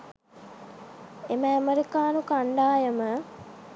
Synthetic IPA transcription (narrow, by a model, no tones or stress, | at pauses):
eməəmeɾikaːnukaɳɖaːjəmə